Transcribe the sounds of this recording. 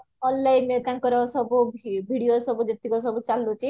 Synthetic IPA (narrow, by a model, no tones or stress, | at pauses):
ɔnlajint̪ãŋkɔɾɔsɔbubʱibʱiɽijosɔbud͡ʒɔt̪ikɔsɔbut͡ʃalːut͡ʃʰi